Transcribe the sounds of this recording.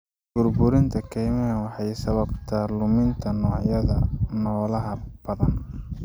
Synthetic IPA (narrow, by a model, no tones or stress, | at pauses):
ɡ̥ʊrbʊɾɪnt̪ʰɐkʰɛjmɛnwɑħɑjsɐβɐb̚t̪ʰɐlʊmɪnt̪ʰɐnɔːʕjɐðɐnɔːlɐɦɐb̥ɐðɐn